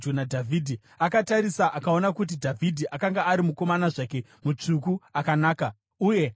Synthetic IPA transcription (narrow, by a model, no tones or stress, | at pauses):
unadʱavʱiːdʱi | akataɾisaʔakao̞nakut̬idʱavʱidʱiʔakaŋɡaːɾimuko̞manaʐake̞ | mut͡ʂukuakanaːka | uje̞